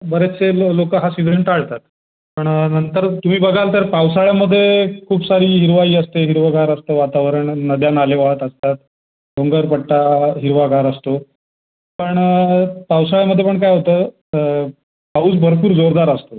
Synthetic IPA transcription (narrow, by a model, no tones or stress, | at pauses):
bəɾet͡selokəɦasiʋɾeɳʈaɭt̪at̪̚ | pəɳnənt̪əɾt̪um̤iːbəɡʱalt̪əɾpawsaɭjaməd̪ʱːjekʰuːbsaɾiːɦiɾʋaiːəst̪eɦiɾʋəɡaɾəst̪əʋat̪aʋəɾəɳnəd̪janaleʋaɦət̪əst̪at̪̚ | ɖoŋɡəɾpəʈʈːaɦiɾʋaɡʱaɾəst̪o | pəɳpawsaɭjaməd̪ʱːjepəɳkajɦot̪əː | pauːt͡sbʱəɾpuːɾd͡zoɾd̪aɾəst̪o